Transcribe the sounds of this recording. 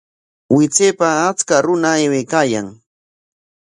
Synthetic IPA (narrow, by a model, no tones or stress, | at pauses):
wɪt͡seːpaːt͡skaɾʊnaewekaːja̰ŋ